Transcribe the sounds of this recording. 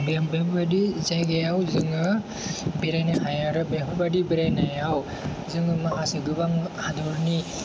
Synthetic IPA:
bebepbadizajɡajawzɯŋɯ | biɾajnahajaɾɯbepubadibiɾajnajaw | zɯŋɯmaɦasiɡɯbaŋhadɔɾni

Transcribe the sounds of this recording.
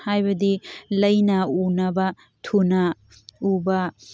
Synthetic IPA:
hajbɐdilɐjnɐunɐbɐ | tʰunɐ | ubɐ

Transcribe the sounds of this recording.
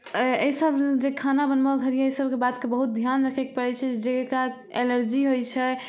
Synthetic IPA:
eisəbd͡ʒekʰanabənmaɡʱəɾijaesəbkebat̪kebəɦut̪̚d̪ʱjanɾəkʰɛk̚pəɾɛt͡ʃʰɛd͡ʒd͡ʒeka | eləɾd͡ʒiɦojt͡ʃʰɛ

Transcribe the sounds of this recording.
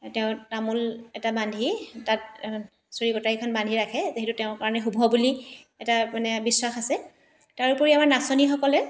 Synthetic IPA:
teʊ̃tamulɛtabandʱitat̚ | soɹikɔtaɹikʰɔnbandʱiɹakʰɛzeɦɛtutɛʊ̃ɹkaɹɔnɛxubʱɔbuli | ɛtamanɛbisɹaxasɛ | taɹupoɹiamaɹnasɔnixɔkɔlɛ

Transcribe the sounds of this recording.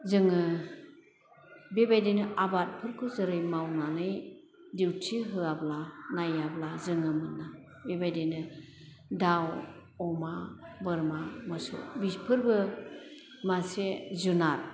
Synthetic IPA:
zɯŋɯ | bebajdenɯʔabat̚pʰɯɾkʰɯzɯɾɯjmawnanɯj | diwtʰiɦɯablanajablazɯŋɯmɯnːa | bebajdenɯ | daw | ɔmabɯɾmamɯsṵbispʰɯɾbɯ | masezunaɾ

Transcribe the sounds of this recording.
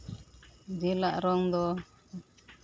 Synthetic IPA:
d̪ilaʔɾɔŋd̪ɔ

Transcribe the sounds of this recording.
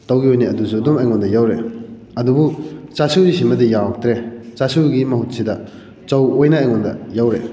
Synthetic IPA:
tawɡiojniɐdusudumajŋɔndɐjawɾe | ɐdubut͡ʃasuzisimɐdijak̚tɾet͡ʃasuɡimɐhut̚sidɐ | t͡ʃɐwojnaːjŋɔndɐ̰jawɾḛ

